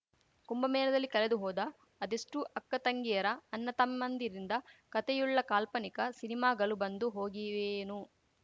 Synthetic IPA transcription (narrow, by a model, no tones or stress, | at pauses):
kumbɐmɛːnɐd̪ɐlːikɐled̪uɦɔːd̪ɐː | d̪eʂʈuʔɐkːɐt̪ɐŋɡijɐɾɐːnːɐt̪ɐmːɐnd̪iɾind̪ɐkɐt̪ɛjuɭːɐkaːlpɐnikɐsinimaːɡɐɭubɐnd̪uɦoːɡiʋeːnu